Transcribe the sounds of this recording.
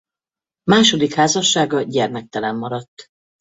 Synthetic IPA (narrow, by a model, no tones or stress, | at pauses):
maːʃo̞d̪ikhaːzɒʃːaːɡɒɟɛrmɛk̚t̪ɛlɛmːɒɾɒt̪ː